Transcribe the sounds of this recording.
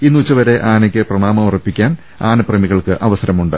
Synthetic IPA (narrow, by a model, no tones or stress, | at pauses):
inːuːt͡ɕːɐʋɐɾe̞ʔaːnɐkʲːɨprɐɳaːmɐmurɐpːikʲːaːn | aːnɐprɐmiɣɐɭkɨʔɐʋɐsɐɾɐmuɳɖɨ